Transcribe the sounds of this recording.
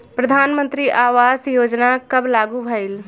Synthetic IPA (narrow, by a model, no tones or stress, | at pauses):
pɾəd̪ʱaːnmə̃nt̪ɾiʔaːʋaːzjoːd͡ʒnakɐblaːɡubʱəɪl